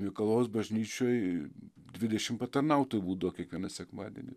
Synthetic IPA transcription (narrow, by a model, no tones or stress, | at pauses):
mʲikɐlˠoːsbɐʒʲnʲiːt͡ʃʲoːj | d̪ʲʋʲɪd̪ʲɛʃʲɪmpɐt̪ɐrnɐʊt̪oːjbuːd̪ɐʋoːkʲiɛkʋʲiɛnɐsʲɛkmɑːd̪ʲɛ̰nʲɪ̰